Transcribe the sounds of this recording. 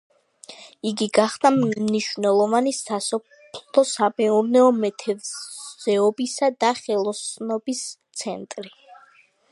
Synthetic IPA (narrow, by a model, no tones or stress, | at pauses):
iɡiɡaχd̪aniʃvnɛlˠɔvanisasɔppʰllɔsamɛuɾnɛɔmɛt̪ʰɛvzɛɔbisad̪aχɛlˠɔsnɔbist̪sʰɛnt̪ʼɾi